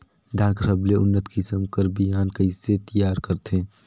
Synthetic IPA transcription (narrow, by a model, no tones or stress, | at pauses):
d̪ʱaːɾksəbleʊnːət̪kɪsəmkəɾbijaːnkəiset̪əjaːɾkəɾt̪ʰẽː